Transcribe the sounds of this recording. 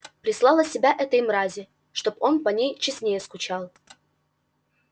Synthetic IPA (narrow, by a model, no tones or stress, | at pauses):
pɾʲɪslˠɑlˠəsʲɪbʲaʔɛt̪əjmɾazʲɪ | ʂt̪o̞po̞npɐnʲejt͡ɕɪsʲnʲejəskʊt͡ɕalˠ